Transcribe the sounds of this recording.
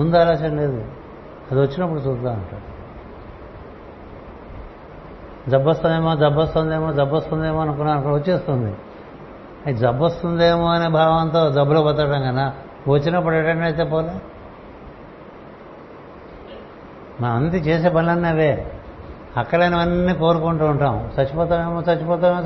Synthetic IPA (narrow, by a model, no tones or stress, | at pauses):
und̪uɐlaːsɐɳleːd̪u | ɐd̪iʋɐt͡ʃːinɐp̬ːuɽut͡ʃuːsd̪aːɐɳʈaːɽu | d͡ʒɐbːost̪und̪eːmoːd͡ʒɐbːost̪und̪eːmoːd͡ʒɐbːost̪und̪eːmoːɐnuk̬unaɐnɐkɐʋot͡ʃːeːst̪und̪ḭ | ɐid͡ʒɐbːost̪und̪eːmoːɐneːbʱaːʋɐnt̪o̞ːd͡ʒɐbːuloːbɐt̪̬ɐɐʈɐŋkɐna | ʋot͡ʃːinɐp̬ːuɽɐʈɐɳɳɐjt̪̬eːpoːla | maɐnt̪it͡ʃeːs̬eːpɐllɐnːeʋeː | ɐkːɐlɐnɐʋɐnːiːkoːɾukuɳʈuːɳʈaːmt͡ʃɐt͡ʃːupɔːt̪̬aːneːmoːt͡ʃɐt͡ʃːupɔːt̪a